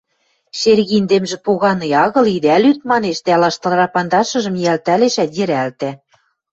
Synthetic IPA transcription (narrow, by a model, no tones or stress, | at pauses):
ʃerɣind̪emʒĕpoɣɑnɤ̆jɑɣɤ̆lid̪ælyt̪̚mɑneʃd̪ælɑʃt̪ɤ̆lrɑpɑnd̪ɑʃɤ̆ʒɤ̆mjælt̪æleʃæt̪jɘ̆ɾælt̪æ